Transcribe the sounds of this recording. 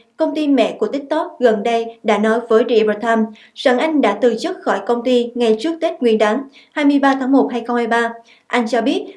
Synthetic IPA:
kə˧wŋ͡mt̪i˧mɛ̰˧˥ku˧˩ət̪ï˦˥k̟̚t̪o˦˥t̚ɣə˨˩nɗə˧jɗa̰ː˧˥nɔ˨˦jvəː˨˦jɾḭ˧˩bə˧t̪ʰaː˧m | sa̰ː˧˩ŋʔa˧jŋ̟ɗa̰ː˧˥t̪ɨ˨˩t͡ɕɨ˦˥t̚xɔ˧˩jkə˧wŋ͡mt̪i˧ŋa˨˩jt͡ɕɨ˦˥ək̚t̪e˦˥t̚ŋwi˧ənɗaː˨˦ŋ | haː˧jmɨ˧əjɓaː˧t̪ʰaː˨˦ŋmo˨˩t̚haː˧jxə˧wŋ͡mhaː˧jɓaː˧ | ʔa˧jŋ̟t͡ɕɔ˧ɓi˦˥ət̚

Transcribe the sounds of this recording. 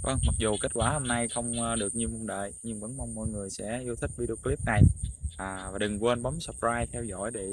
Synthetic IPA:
və˧ŋma˨˩k̚zu˨˩ke˦˥t̚kwaː˧˩ho˧mna˧jxə˧wŋ͡mɗɨ˨˩ək̚ɲi˧mo˧wŋ͡mɗə̰ː˧˨jɲɨ˧ŋvə̰˧˥nmɔ˧wŋ͡mmɔ̰˧˨jŋɨ˨˩əjsɛ̰˧˥ʔi˧wt̪ʰï˦˥k̟̚vi˧ɗi˧o˧kli˦˥p̚na˨˩jʔaː˨˩vaː˨˩ɗɨ˨˩ŋkwe˧nɓɔ˨˦msə˨˩p̚aː˧jt̪ʰɛ˧wzɔ̰˧˩jɗe˧˨

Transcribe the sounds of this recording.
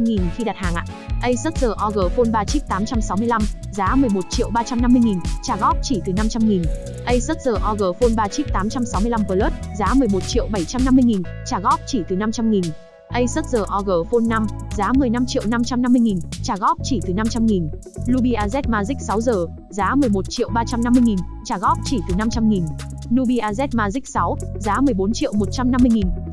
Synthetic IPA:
ŋi˨˩nxi˧ɗa˨˩t̚haː˨˩ŋʔa̰ː˧˨ | ʔə˧jsə˦˥t̚zəː˨˩ʔɔ˧ɣəː˨˩fo˧nɓaː˧t͡ɕi˦˥k̚t̪aː˨˦mt͡ɕa˧msa˨˦wmɨ˧əla˧m | zaː˨˦mɨ˨˩əjmo˨˩t̚t͡ɕḭ˧˨wɓaː˧t͡ɕa˧mna˧mːɨ˧jŋi˨˩nt͡ɕaː˨˩ɣɔ˦˥k̚t͡ɕi˧˩t̪ɨ˨˩na˧mt͡ɕa˧mŋi˨˩n | ʔə˧jsə˦˥t̚zəː˨˩ʔɔ˧ɣəː˨˩fo˧nɓaː˧t͡ɕi˦˥k̚t̪aː˨˦mt͡ɕa˧msa˨˦wmɨ˧əla˧mvəː˧˩ləː˦˥t̚zaː˨˦mɨ˨˩əjmo˨˩t̚t͡ɕḭ˧˨ə˨wɓa˧˩jt͡ɕa˧mna˧mːɨ˧əjŋi˨˩nt͡ɕaː˧˩ɣɔ˦˥k͡p̚t͡ɕi˧˩t̪ɨ˨˩na˧mt͡ɕa˧mŋi˨˩n | ʔə˧jsə˦˥t̚zəː˨˩ʔɔ˧ɣəː˨˩fo˧nːa˧mzaː˨˦mɨ˨˩əjna˧mt͡ɕḭ˧ə˨wna˧mt͡ɕa˧mna˧mːɨ˧jŋi˨˩nt͡ɕaː˧˩ɣɔ˦˥k͡p̚t͡ɕi˧˩t̪ɨ˨˩na˧mt͡ɕa˧mŋi˨˩n | lu˧ɓi˧ʔaː˧zɛ˦˥t̚maː˧zï˦˥k̚sa˨˦wzəː˨˩ | zaː˨˦mɨ˨˩əjmo˨˩t̚t͡ɕḭ˧˨əwɓaː˧t͡ɕa˧mna˧mːɨ˧jŋi˨˩nt͡ɕaː˧˩ɣɔ˦˥k͡p̚t͡ɕi˧˩t̪ɨ˨˩na˧mt͡ɕa˧mŋi˨˩n | nu˧ɓi˧ʔaː˧zɛ˦˥t̚maː˧zi˦˥k̚sa˨˦wzaː˨˦mɨ˨˩əjɓo˨˦nt͡ɕḭ˧˨əwmo˨˩t̚t͡ɕa˧mna˧mːɨ˧əjŋi˨˩n

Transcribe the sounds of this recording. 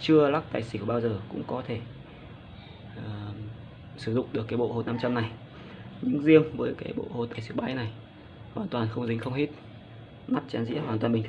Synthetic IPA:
t͡ɕɨ˧əlaː˦˥k̚t̪aː˨˩jsi˨˧˩ku˧˩ɓaː˧wzəː˨˩kʊ̰˧˥ŋ͡mkɔ˨˦t̪ʰe˧˩˨ | sɨ˧˩zʊ̰˧˨ŋ͡mɗɨ˨˩əkːaː˨˦jɓo̰˧˨ho˧˩t̚na˧mt͡ɕa˧mna˨˩j | ɲɨ̰˧˥ŋzi˧əmvəː˨˦jkaː˨˦jɓo̰˧˨ho˧˩t̪aː˨˩jsi˧˩ɓaː˨˦jna˨˩j | hwaː˨˩nt̪waː˨˩nxə˧wŋ͡mzï˨˦ŋ̟xə˧wŋ͡mhi˦˥t̚ | ma˦˥t̚t͡ɕaː˨˦nzḭ˧˥əɦwaː˨˩nt̪waː˨˩mɓi˨˩ŋt̪ʰ

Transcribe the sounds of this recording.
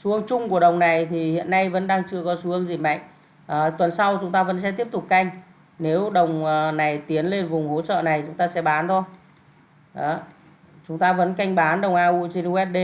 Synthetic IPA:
su˨˦əŋt͡ɕʊ˧ŋ͡mku˧˩əɗə˨˩wŋ͡mna˨˩jt̪ʰi˨˩hḭ˧˨ənːa˧jvə̰˧˥nɗaː˧ŋt͡ɕɨ˧əkɔ˨˦su˨˦əŋzi˧˩ma̰˧˨ŋ̟ | ʔəː˨˩t̪wə˨˩nsa˧wt͡ɕʊ˨˦ŋ͡mt̪aː˧və̰˧˥nsɛ̰˧˥t̪i˦˥əp̚t̪ʊ˨˩k͡p̚ka˧jŋ̟ | ne˨˦wɗə˨˩wŋ͡məː˨˩na˨˩jt̪i˨˦ənle˧nvʊ˨˩ŋ͡mho̰˧˥t͡ɕə̰ː˧˨na˨˩jt͡ɕʊ˨˦ŋ͡mt̪aː˧sɛ̰˧˥ɓaː˨˦nt̪ʰo˧j | ʔəː˨˦ | t͡ɕʊ˨˦ŋ͡mt̪aː˧və̰˧˥nka˧jŋ̟ɓaː˨˦nɗə˨˩wŋ͡mʔaː˧ʔu˧t͡ɕe˧nu˧ɛ˦˥t̚ɗe˧

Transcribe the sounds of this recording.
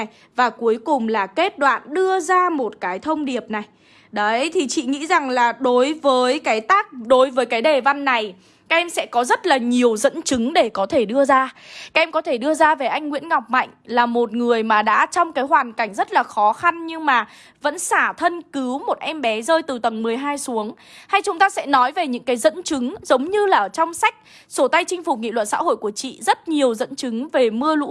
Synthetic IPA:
j | vaː˨˩ku˨˦əjkʊ˨˩ŋ͡mlaː˨˩ke˦˥t̚ɗwa̰ː˧˨nɗɨ˧əzaː˧mo˨˩t̚kaː˨˦jt̪ʰə˧wŋ͡mɗi˨˩əp̚na˨˩j | ɗə˨˦t̪ʰi˨˩t͡ɕḭ˧˨ŋḭ˧˥za˨˩ŋlaː˨˩ɗo˨˦jvəː˨˦jkaː˨˦jt̪aː˦˥k̚ɗo˨˦jvəː˨˦jkaː˨˦jɗe˨˩va˧nːa˨˩j | kaː˦ʔɛ˧msɛ̰˧˥kɔ˨˦zə˦˥t̚laː˨˩ɲi˨˩əwzə̰˧˥nt͡ɕɨ˨˦ŋɗe˧˩kɔ˨˦t̪ʰe˧˩ɗɨ˧əzaː˧a˨˦˥ʔɛ˧mkɔ˨˦t̪ʰe˧˩ɗɨ˧əzaː˧ve˨˩ʔa˧jŋ̟ŋwḭ˧˥ənŋɔ˨˩wk͡p̚ma̰˧˨jŋ̟laː˨˩mo˨˩t̚ŋɨ˨˩əjmaː˨˩ɗa̰ː˧˥t͡ɕɔ˧wŋ͡mkaː˨˦jɦwaː˨˩nka˧˩jŋ̟zə˦˥t̚laː˨˩xɔ˨˦xa˧nɲɨ˧ŋmaː˨˩ | və̰˧˥nsaː˧˩t̪ʰə˧nkɨ˨˦wmo˨˩t̚ʔɛ˧mɓɛ˨˦zəː˧jt̪ɨ˨˩t̪ə˨˩ŋmɨ˨˩əjɦaː˧jsu˨˦əŋ | ha˧jt͡ɕʊ˨˦ŋ͡mt̪aː˧sɛ̰˧˥nɔ˨˦jve˨˩ɲɨ̰˧˥ŋkaː˨˦jzə̰˧˥nt͡ɕɨ˨˦ŋzə˨˦wŋ͡mɲɨ˧laː˨˩t͡ɕɔ˧wŋ͡msa˦˥k̟̚ | so˧˩t̪a˧jt͡ɕï˧ŋ̟fu˨˩ŋḭ˧˨lwə̰˧˨n̚sa̰˧˥ho̰˧˨jku˧˩ət͡ɕḭ˧˨zə˦˥t̚ɲi˨˩əwzə̰˧˥nt͡ɕɨ˨˦ŋve˨˩mɨ˧əlṵ˧˥

